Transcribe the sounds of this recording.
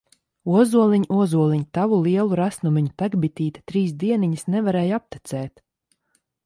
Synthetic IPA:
uɔzuɔlˠiɲʔuɔzuɔlˠiɲut̪avulˠiɛlˠuɾasnumiɲupæɡbit̪iːt̪ḁt̪ɾiːs̬d̪iɛniɲisnɛvaɾɛːjap̚t̪it̪sɛːt̪

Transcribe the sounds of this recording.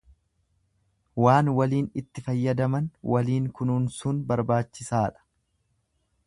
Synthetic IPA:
waːnwɐliːnɪt̪ːɪfɐjːɐd̪ɐmɐnwɐliːŋkʊnuːnsʊnbɐɾbaːt͡ʃːɪsaːᶑɐ̥

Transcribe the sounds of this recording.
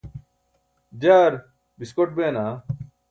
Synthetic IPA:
d͡ʑaːɾ | biskoʈ̚beːnaː

